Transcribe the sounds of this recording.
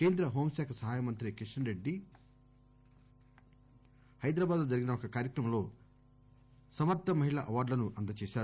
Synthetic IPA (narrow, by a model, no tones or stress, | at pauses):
keːnd̪ɾɐɦoːmsɛːkʰɐsɐɦaːjɐmɐnt̪ɾikɾiʂɐnɾeɖːi | hɐjd̪ɾaːbaːd̪loːd͡ʒɐɾiɡinɐokɐkaːɾjɐkɾɐmɐmlo̞ː | sɐmɐt̪ːɐmɐɦiɭɐʔɐʋaːɖlɐnuʔɐnd̪ɐt͡ʃeːʃaːɾ